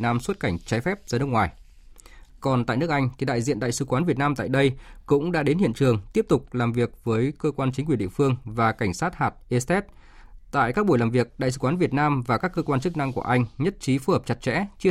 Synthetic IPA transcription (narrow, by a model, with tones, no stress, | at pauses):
naː˧mswə˦˥t̚ka˧˩jŋ̟t͡ɕaː˨˦jfɛ˦˥p̚zaː˧nɨ˦˥əkŋwaː˨˩j | kɔ˨˩nt̪a̰ː˧˨jnɨ˦˥ək̚ʔa˧jŋ̟t̪ʰi˨˩ɗa̰ː˧˨jzḭ˧˨ənɗa̰ː˧˨jsɨ̰˧kwaː˨˦nvi˨˩ət̚naː˧mt̪a̰ː˧˨jɗə˧jkʊ̰˧˥ŋ͡mɗa̰ː˧˥ɗe˨˦nhḭ˧˨ənt͡ɕɨ˨˩əŋt̪i˦˥əp̚t̪ʊ˨˩k͡p̚laː˨˩mvi˨˩ək̚vəː˨˦jkəː˧kwaː˧nt͡ɕï˨˦ŋk̬wi˧˩˨ɗḭ˧˨əfɨ˧əŋvaː˨˩ka˧˩ŋ̟saː˦˥t̚haː˨˩t̚ʔe˧st̪ɛ˦˥t̚ | t̪a̰ː˧˨jkaː˦˥k̚ɓu˧˩jlaː˨˩mvi˨˩ək̚ɗa̰˧˨js̬ɨ̰˧˦kwaː˨˦nvi˨˩ət̚naː˧mvaː˨˩kaː˦˥kːəː˧kwaː˧nt͡ɕɨ˦˥k̚na˧ŋku˧˩əʔa˧jŋ̟ɲə˦˥t̚t͡ɕi˨˦fu˨˦həː˨˩p̚t͡ɕa˨˩t̚t͡ɕɛ̰˧˥t͡ɕ